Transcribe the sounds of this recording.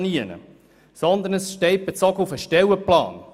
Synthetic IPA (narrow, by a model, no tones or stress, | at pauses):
niənə̰ | sɔnd̪ənəsʃteɪt̚b̥et͡sɔɡufəʃtɛwəplɑ̰ːn